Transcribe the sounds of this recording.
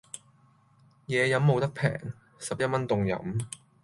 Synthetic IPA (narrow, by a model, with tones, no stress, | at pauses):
jɛː˨˧jɐ˨˥mːo˨˧wt̪ɐ˥k̚pʰɛ̰ː˨˩ŋ | sɐ˨p̚jɐ˥t̚mɐ˥nt̪ʊ˨ŋjɐ̰˨˥m